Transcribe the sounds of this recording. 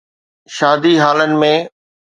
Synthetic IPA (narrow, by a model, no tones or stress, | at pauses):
ʃaːd̪iɦaːlənɪ̆mẽ